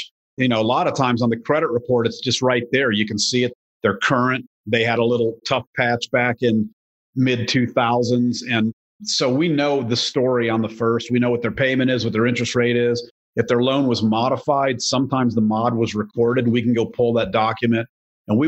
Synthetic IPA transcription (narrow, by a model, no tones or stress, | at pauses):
jɨnoʊəlɑɾʌv̥tʰãɪ̃mzn̩ðɨkʰɹ̥ɛɾɨt̚ɹɨpʰɔɹɾɨtsd̥ʒ̥ʌst̚ɹaɪt̪̚ðə˞jɨkn̩siɨt̪̚ | ðə˞kʰɜ˞ɨ̃nt̪ðeɪɨɾəlɪɾl̩ˠtʰʌfpʰæt͡ʃb̥ækɪ̃n | mɪd̚tʰʉθaʊzɨ̃nzɨ̃n | soʊwinoʊðɨstɔɹiə̃nðəfɜ˞st̚wiñoʊwʌt̪̚ðə˞pʰẽɪ̃mɨ̃ɾ̃ɨzwʌt̪̚ðə˞ɪ̃nt͡ʃɹ̥ɨst̚ɹeɪɾɪz | ɨfðə˞lõʊ̃nwʌzmɑɾəfaɪd̥sʌ̃mtʰãɪ̃mzðəmɑd̚wʌzɹɨkʰɔɹɾɨd̚wikn̩ɡoʊpʰʊlˠðət̚d̥ɑkjɨmɨ̃nt̚ | ɨ̃nwi